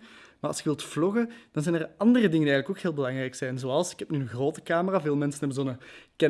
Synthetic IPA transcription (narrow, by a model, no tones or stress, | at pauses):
maːɑ̰lˠsɪkəʋɪlˠtflɔɣəd̥ɑnzɛjnərɑndərədɪŋəndiɛjənləkoːkɦeːlˠbəlɑŋrɛjksɛjnzoːɑlˠsɪ̥kɦɛpnyːənɣroːtəkaːməraːveːlˠmɛnsənɛbənzoːnəkɛ